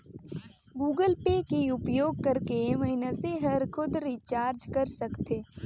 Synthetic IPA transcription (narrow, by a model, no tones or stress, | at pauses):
ɡuːɡəlpeːkiʊpjoːɡ̚kɐɾkemɐɦɪnəseɦɐɾkʰʊd̪ɾit͡ʃaːɾd͡ʒkɐɾsɐkt̪eː